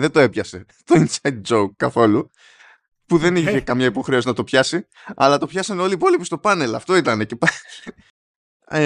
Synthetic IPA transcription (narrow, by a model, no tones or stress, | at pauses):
ðed̪oe̞pçɐse̞ | t̪o̞insɐjd̪̚d͡zoukːɐθo̞lu | puðe̞niçe̞kɐmɲɐipo̞xɾe̞o̞sinɐt̪o̞pçɐsi | ɐ̰lɐt̪o̞pçɐsɐneo̞liːpo̞lipist̪o̞pɐne̞lɐ̰ft̪o̞it̪ɐne̞cepɐ